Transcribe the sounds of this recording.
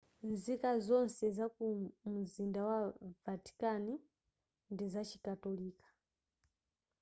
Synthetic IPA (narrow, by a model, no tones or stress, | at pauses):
nzikazɔnsɛzakumuzindawavati̥kani | ndizat͡ʃi̥katɔliːkḁ